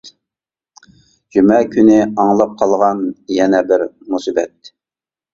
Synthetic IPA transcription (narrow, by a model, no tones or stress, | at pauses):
d͡ʒymɛkʲʰynɪɑŋlˠɑp̚qʰɑlˠʁɑnjɛnɛbɪɾmusibɛt̪̚